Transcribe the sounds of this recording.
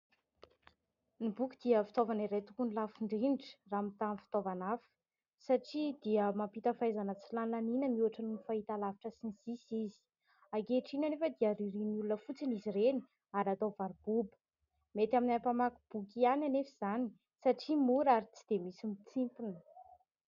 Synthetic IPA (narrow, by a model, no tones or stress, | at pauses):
nibukid̪̥iəfi̥t̪ovaniɾet̪ukunilafiɳɖ͡ʐinʈ͡ʂə̥ramit̪amfi̥t̪ovanafu̥ | saʈ͡ʂid̪̥iəmapit̪əfajzanət͡silanlaninəmuaʈ͡ʂanufaɦit̪alaviʈ͡ʂəsinisisizi̥ | aɡeʈ͡ʂinanefəd̪iaɾiɾinulunəfut͡sinizireni | aɾat̪ovaɾbubə̥ | met̪aminapamaku̥b̥ukiananefiz̥ani | saʈ͡ʂimuɾaɾit͡si̥d̪̥emisimit͡simp̪inə